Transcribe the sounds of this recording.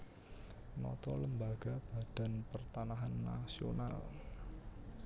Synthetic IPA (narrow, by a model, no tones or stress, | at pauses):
nɔ̰t̪ɔləmbaɡ̥a̤b̥a̤d̥a̤npərt̪anaɦanːa̰sio̰nal